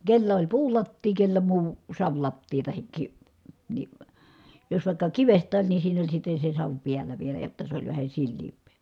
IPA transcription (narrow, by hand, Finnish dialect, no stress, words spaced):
kelːæ olʲ puːlɑtːiː kelːæ muː sɑʋlɑtːiː tɑhik ki ni jos ʋɑˑi̯kːɑ kiʋestˑæːn ni siːnæ olʲ sitːe se sɑʋ piælˑæ ʋielæ jotːɑ se olʲ ʋæhæ silːiːmpˑeː